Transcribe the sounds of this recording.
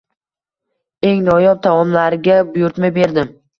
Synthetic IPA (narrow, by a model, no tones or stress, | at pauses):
e̞ŋnɒjɒp̚t̪ʰamɒmlaɾɪɡʲabʊjʊɾt̪majbe̞ɾd̪ɪm